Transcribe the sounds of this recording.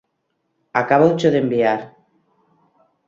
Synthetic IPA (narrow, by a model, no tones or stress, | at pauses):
akaβowt͡ʃoðembiaɾ